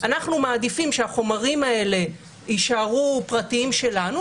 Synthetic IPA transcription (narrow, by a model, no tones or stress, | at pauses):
ʔanaχnumaːd̪ifimʃeaχo̞maʁimae̞le̞ | iʃaʁupʁatiimʃe̞lanu